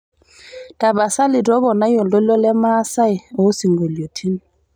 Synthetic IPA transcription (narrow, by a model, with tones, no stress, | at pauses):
tʼa˨ba˨sa˦lɪ˨dɔ˦bɔ˨na˦jɔ˨lo˦lɔ˦lɛ˦ma˦sa˦ɪ˨o˨˦si˨ŋɡe˨ljo˨tʰi˦n˨